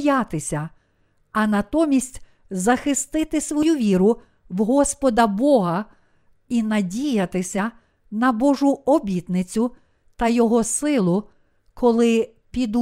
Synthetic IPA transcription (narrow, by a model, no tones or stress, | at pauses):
jɑt̪ɪsʲɐ | ɐnɐt̪ɔmʲisʲtʲ | zɐxɪst̪ɪt̪ɪsʋɔjuʋʲiɾʊ | wɦɔspɔd̪ɐbɔɦɐ | inɐdʲijɐt̪ɪsʲɐ | nɐbɔʒʊɔbʲit̪nɪt͡sʲʊ | t̪ɐjɔɦɔsɪlˠʊ | kɔlˠɪ | pʲid̪